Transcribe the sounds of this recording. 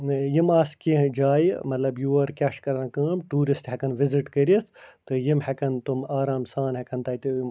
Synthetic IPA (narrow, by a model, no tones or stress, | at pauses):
jimaːskĩd͡ʒaːjmɐt̪lɐbjuɐɾkʲɐʃkɐɾãːkɐːmʈuːɾisʈɦekɐnʋiziʈkɐɾiɐst̪ɨjimhekɐnt̪umaːɾaːmsaːnhekɐnt̪ɐit̪i